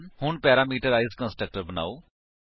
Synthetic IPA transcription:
nhʊɳpɛːɾaːmiːʈəɾaːɪzkə̃nsʈək̚ʈəɾbəna̰ːoː

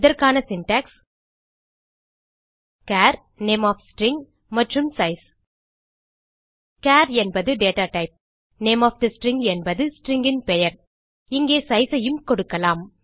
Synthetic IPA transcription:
ɪðɐɾkaːnɐsɪnʈaːks | kaːɾ | neːmaːfsʈɾɪŋɡ | mɐʈrɯmsɐɪs | kaːɾɛnbɐðɯɖeːʈaːʈɐɪp̚ | neːmaːfd̪ɐsʈɾɪŋɡɛnbɐðɯsʈɾɪŋɡɪnpɛjɐɾ | ɪŋɡeːsɐɪsɐjɯmkɔɽɯkːɐlaːm

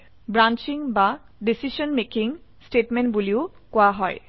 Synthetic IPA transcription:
bɾant͡ɕiŋba | ɖisiʃɔnmekiŋsʈeʈmenʈbulio | koaɦɔe

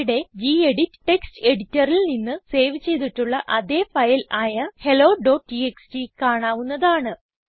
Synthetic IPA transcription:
ɽe̞d͡ʑiːeɽitːɨ̥ʈːe̞kstɨe̞ɽitːɐrilninːɨse̞ːʋit͡ɕːe̞jt̪iʈːuɭːɐʔɐðe̞ːfɐjlaːjɐhe̞lo̞ːɖo̞ːʈːieksʈikaːɳaːʋunːɐðaːɳɨ

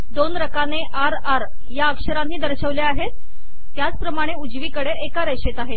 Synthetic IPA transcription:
d̪onɾəkaneʔaɾaɾ | jaəkʂəɾanːiːd̪əɾɕəʋleaɦet̪ː | jat͡spɾəmaɽ̃eud͡zʋiːkəɽeekaɾeɕet̪aɦet̪̚

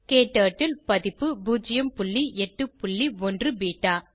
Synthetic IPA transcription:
keːʈːaːʈːɪlpɐðɪpːɯbuːd͡ʒɪjɐmpʊlːiɛʈːɯpʊɭːiɔndrɯbiːʈːaː

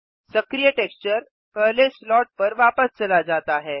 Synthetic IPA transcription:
səkɾijəʈekst͡ɕəɾ | kəɦleslɔʈ̚pəɾʋapəst͡səlad͡zat̪aɦɛ

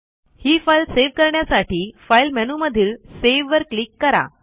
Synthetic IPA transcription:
hiːfajlseʋkəɾɳjasaʈiːfailmɛnuməd̪ʱiːɭseʋːəɾklikːəɾa̰

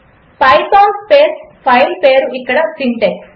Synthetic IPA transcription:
pɐjpaːnspeːspʰɐjlpeːɾuikːɐɽɐsiɳʈeks

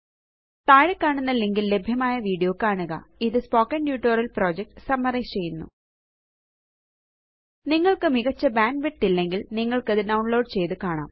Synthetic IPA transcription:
t̪aːɻɐkːaːɳunːɐlːeŋɡilːe̞bʱjɐmaːjɐʋiːɖijo̞ːkaːɳuɣɐ̰iðɨspo̞ːkːɐnɖjuːʈːoːrɐlpro̞ːd͡ʑek̚ʈɨ̥sɐmːɐreːt͡ɕe̞jːunːṵ | niŋːɐɭkɨmiɣɐt͡ɕːɐbaːnɖʋeʈːilːe̞ŋɡilniŋːɐɭkɐðɨɖɐwɳlo̞ːɖt͡ɕe̞jt̪ɨkaːɳa̰ːm

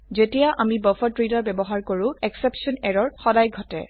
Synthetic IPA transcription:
zetijaʔamibɔfʰɔtɹidɔɹbɛbɔɦaɹkoɹʊ̃ɛksepsɔnɛɹɔɹxɔdajɡʱɔtɛ̰

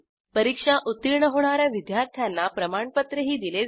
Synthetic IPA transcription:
pəɾikʂaʔut̪ːiɾɳəɦoɳ̃aɾjaʋid̪jaɾt̪ʰjanːapɾəmaɳpət̪ɾəɦiːd̪ile

